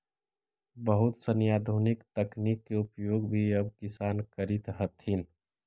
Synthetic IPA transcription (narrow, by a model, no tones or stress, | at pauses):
bəɦʊt̪sənjaːd̪ʱunɪkt̪əknikːeupjoːɡbʱiɐb̚kɪsaːnkəɾɪt̪ɦət̪ɦin